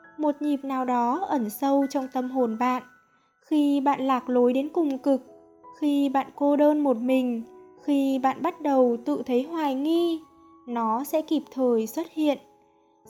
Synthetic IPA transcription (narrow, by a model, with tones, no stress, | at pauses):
mo˨˩t̚ɲi˨˩p̚naː˨˩wɗɔ˨˦ʔə˧˩nsə˧wt͡ɕɔ˧wŋ͡mt̪ə˧mɦo˨˩nɓa̰ː˧˨n | xi˧ɓa̰ː˧˨nlaː˨˩k̚lo˨˦jɗe˨˦nkʊ˨˩ŋ͡mkɨ˨˩k̚ | xi˧ɓa̰ː˧˨nko˧ɗəː˧nmo˨˩t̚mï˨˩ŋ̟xi˧ɓa̰ː˧˨nɓa˦˥t̚ɗə˨˩wt̪ɨ̰˧˨t̪ʰə˨˦jɦwaː˨˩jŋi˧ | nɔ˨˦sɛ̰˧˥ki˨˩p̚t̪ʰəː˨˩jswə˦˥t̚hḭ˧˨ən